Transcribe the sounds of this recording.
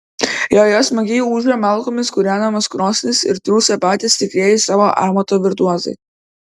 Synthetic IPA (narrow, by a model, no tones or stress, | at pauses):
joːjɔːsmɐɡʲɛjuuːʒʲɾʲɛmɑˑlˠˑkoːmʲɪskʊɾʲæːnɐmɐskɾoːsʲnʲɪsɪ̰ɾt̪ɾʲuːsʲɛpɑːt̪ʲɪsʲt̪ʲɪkɾʲeːjɪsɑːʋoːʔɑːmɐt̪oːʋʲɪɾt̪uɔzɐ̰ɪ